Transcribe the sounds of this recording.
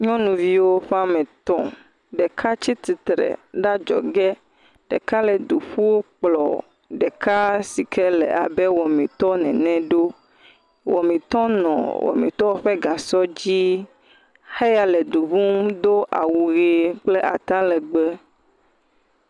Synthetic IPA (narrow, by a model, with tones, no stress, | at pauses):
ɲɔ̃˦nũ˨vi˦wo˦ɸa˦mɛ̃˨t̪ɔ̃˦ | ɖɛ˨kʰa˦t͡ɕi˦t̪i˨t̪ɾɛ̰˨ɖa˦d͡ʒɔ̰˨ɡɛ˦ | ɖɛ̰˨ka˦lɛ˨d̪u˨ɸu˦wo˦k͡plɔ̰˨ | ɖɛ˨ka˦si˨kʰɛ˦lɛ̰˨a̰˨bɛ˦wɔ˨mĩ˨t̪ɔ˦nɛ̃˨nɛ̃˦ɖo˦ | wɔ˨mĩ˨t̪ɔ̃˦nɔ̰̃˨wʔɔ̰˨mḭ̃˨t̪ɔ˦o˦ɸe˦ɡa˨sɔ˦d͡ʑi˦ | xe˦ja˨lɛ˨d̪u˨βũ˦m˦d̪o˦ʔa̰˨wu˨ɣe˨k͡ple˦ʔa˨t̪ã˦lɛ˨ɡ͡bɛ˦